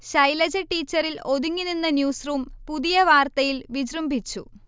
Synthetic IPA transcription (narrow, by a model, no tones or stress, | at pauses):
ɕɐjlɐd͡ʑɐʈːiːt͡ɕːɐɾilo̞ðuŋːininːɐnjuːsruːmpuðijɐʋaːrt̪ɐjilʋid͡ʑrumbʱit͡ɕːṵ